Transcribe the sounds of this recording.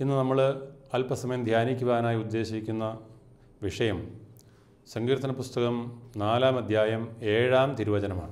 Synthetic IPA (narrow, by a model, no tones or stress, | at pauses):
inːɨnɐmːɐɭɐlpɐsɐmɐjɐmd̪ʱjaːnikʲːuʋɣaːnaːjiud̪ːe̞ːɕikʲːunːɐ | ʋiʂɐjɐm | sɐŋɡiːɾt̪ːɐnɐpust̪ɐɣɐmnaːlaːmɐd̪ʱjaːjɐme̞ːɻaːmt̪iɾuʋɐd͡ʑɐnɐma̰ːɳɨ